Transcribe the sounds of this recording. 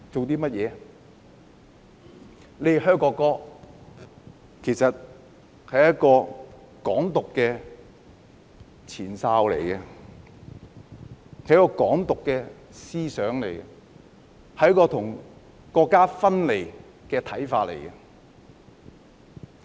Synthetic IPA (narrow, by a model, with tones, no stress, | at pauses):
t͡so˨wt̪iː˥mɐ˥t̚jɛː˨˧ | le˨˧jɦœː˥ŋkɔː˧kɔː˥ | kʰe˨˩jsɐ˨t̚ | hɐ˨jɐ˥t̚kɔː˧ | kɔː˨˥ŋt̪ʊ˨kːɛː˧ | t͡sʰiː˨˩nsaː˧wlḛ˨˩jkɐ˧ | hɐ˨jɐ˥kːɔː˧kɔː˨˥ŋt̪ʊ˨kːɛː˧ | siː˥sœː˨˥ŋle˨˩jkɐ˧ | hɐ˨jɐ˥kɔː˧t̪ʰʊ˨˩ŋ | kɔː˧kːaː˥fɐ˥nle˨˩j | kɛː˧t̪ʰɐ˨˥jfaː˧t̚lḛ˨˩jkɐ˧